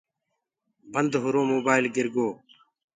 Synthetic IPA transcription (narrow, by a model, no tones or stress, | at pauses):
bənd̪ɦʊɾoːmoːbaːɪlɡɪɾɡoː